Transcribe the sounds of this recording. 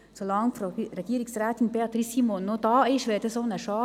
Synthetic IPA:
solɑŋfreɡiəɾiksræːt̪inbeɑt̪ɾisimonːodɑːɪʃʋɛːdəsonəʃɑː

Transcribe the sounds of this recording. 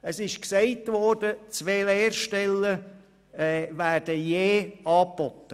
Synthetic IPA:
əsɪʃksɛɪtvɔɾd̥ət͡sʋeːleːrʃtɛlːə | væːɾd̥əjeːɑːpːɔt̪ːə

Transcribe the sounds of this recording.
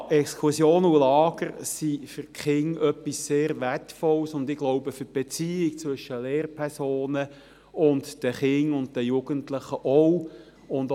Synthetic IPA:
ʔɛkskʰusjoːnulɑːɡ̥əɾsifʏɾkχɪŋœpːisːeːɾʋɛtfɔlsʊndɪɡ̥lɔʊbəfʏb̥et͡siːɪkt͡sʋʏʃəleːɾpʰɛʁsoːnə | ʊndd̥əχɪŋʊnt̚dəjuɡ̥əntləχəʔɔw | ʊnd

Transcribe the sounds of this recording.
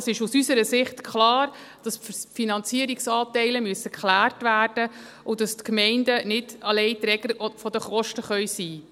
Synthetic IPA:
sɪʃusysəɾəsɪχtkχlɑːr | d̥ɑsfinɑnt͡siəɾiksɑːtɛɪləmyəsəkχlæːrtʋæːrd̥ə | ʊd̥ɑstkmɛɪndənɪdɑlɛɪtɾɛɡ̥əɾfɔdəχɔʃtəχœɥsiː

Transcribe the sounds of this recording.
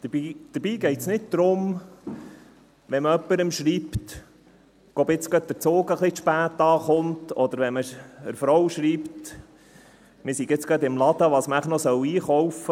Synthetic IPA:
d̥̪əid̥̪əɾb̥iːɡɛɪt̪snɪt̚d̪̥ɾʊm | ʋɛnməœpːəɾəmʃɾiːpt | ɡ̥ɔbɪt͡sɡ̥ɑt̪̚d̪əɾt͡soːɡəχliʃpæːtːɑːχʊntɔd̪əɾʋɛnməəɾfɾɔwʃɾiːpt | mɪsiɡɪt͡sɡ̥ɑd̪ɪmlɑd̪əʋɑːsməæχnɔsœwiːχɔwfə

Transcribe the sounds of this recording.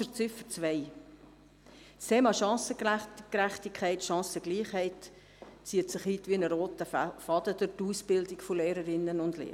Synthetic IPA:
əɾt͡sɪfət͡svɛɪ | stʰeːmɑʃɑ̃ːsəkkɾæχtikʰχɛɪtʃɑ̃ːsəɡ̥liːχhɛɪt | t͡siːətsɪχiːtʋiɪnəɾoːtəfɑd̥̪əd̥əɾtuːsb̥ɪldikfoleːɾəɾɪnːənʊndlḛː

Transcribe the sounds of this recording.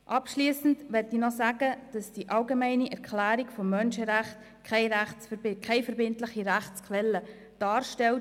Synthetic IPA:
ʔɑpʃliːsn̩tʋɛtinɔsæɡəd̥ɑsd̥iʔɑlɡemæɪniʔɛɾkʰlæːɾikfɔmːœnʃəɾæχt | kʰɛɪɾæχt͡skʰɛɪfɛɾbɪntlɪχiɾæχtt͡skʰʋɛlːə | d̥ɑːɾʃtɛlt

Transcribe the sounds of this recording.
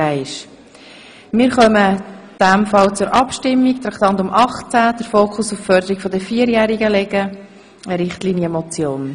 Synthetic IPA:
aɪʃ | mɪːɾχœməd̥æmfɑlt͡sʊɾʔɑpʃtɪmːiktɾɑkt̪ɑnt̪ʊmʔɑχt͡sæd̥əɾfoːkʰʊsʊffœɾdəɾikfɔdəfiːəɾjæːɾiɡəlɛɡ̥ə | əɾɪχtliːnjəmɔt͡sjoːn

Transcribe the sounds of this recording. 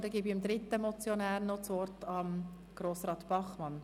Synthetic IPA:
d̪əɡibimd̪ɾɪt̪ːəmɔt͡sjonæːɾnɔt͡sʋɔɾtɑm | ɡ̥ɾoːsrɑːt̪pɑχmɑn

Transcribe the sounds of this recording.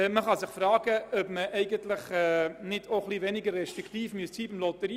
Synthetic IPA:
məχɑsɪχfrɑːɡəœpməʔɛɪɡəntlɪχɛnɪdoχlivɛnɪɡəɾrɛʃtɾikt̪iːfmyəstsiːbɪmlot̪əɾi

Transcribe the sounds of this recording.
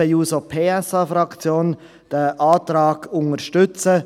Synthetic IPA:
əjuːsopʰeːɛsɑfɾɑkt͡sjoːn | d̥əʔaːtɾɑːɡ̥ʊŋəɾʃtʏt͡sə

